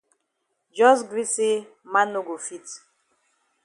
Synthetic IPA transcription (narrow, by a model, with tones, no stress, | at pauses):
d͡ʒɔ˦s̬ɡɾi˦se˦ | mã˦no˦ɡo˨fi˦t